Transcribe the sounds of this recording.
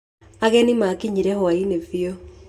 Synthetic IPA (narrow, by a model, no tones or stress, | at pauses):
aɣɛnimakiɲiɾɛhwainevjo